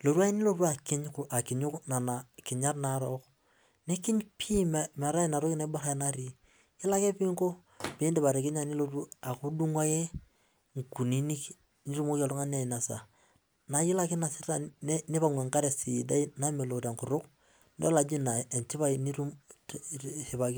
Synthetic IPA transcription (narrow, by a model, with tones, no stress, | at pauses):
lo˨ɾu˦a˦i˦nɪ˦lo˦ɾu˦a˨kɪ˦ɲkʔa˨kɪ˨ɲʊ˦kna˨na˨kɪ˨ɲa˦rna˨ɾɔ˦k | ne˦kɪ˦ɲpʰi˦mma˨ɾa˦˨na˨ɾo˦kna˦bo˦ɾa˦na˦ɾi˦ | jɪ˦la˦ke˦pi˦ŋko˦ | pi˦ndɛ˦ba˨ɾe˨kɪ˦ɲa˦ni˦lo˦ru˦a˨ku˦du˦ŋwa˦je˦ | ŋku˨ni˦ni˦k | ni˦ɾu˦mo˦ka˦lu˦ŋa˦n˦a˨i˨na˨sa̰˨ | na˨jɪ˦la˦kɪ˦na˨sɪ˦ta˨˦nɪ˦pa˦ŋwe˨ŋka˦ɾe˨si˨da˦i˦na˦me˨lo˨te˨ŋkʊ˨ɾʊ˦k | nde˦la˨d͡ʒi˦na˨e˨nt͡ʃɪ˦pa˦ini˦ɾu˦m | hi˨pa˨ki˦